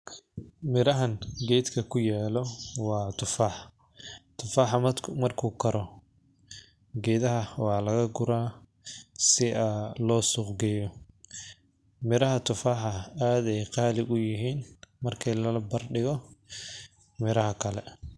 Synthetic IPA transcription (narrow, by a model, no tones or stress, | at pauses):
mɪɾɐɦɐnɡɛːd̪kʰɐkʰʊjɛːlɔwɑːt̪ʰʊfaːħ | t̪ʰʊfaːħɑmɐrkʰuːkʰɐɾɔ | ɡɛːðɐɦɐwɑːlɐɣɐɡʊɾaː | sɪʔɐlɔːsʊqɡɛjɔ | mɪɾɐɦɐt̪ʰʊfaːħɐaːd̪ɛjqɑːlɪʔʊjɪɦiːnmɐrkʰɛjlɐlɐbɐrɖɪɣɔ | mɪɾɐɦɐkʰɐlɛ